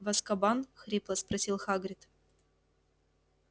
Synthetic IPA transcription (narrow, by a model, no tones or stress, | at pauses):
vɐskɐbanxɾʲiplˠəspɾɐsʲilˠxaɡɾʲɪt̪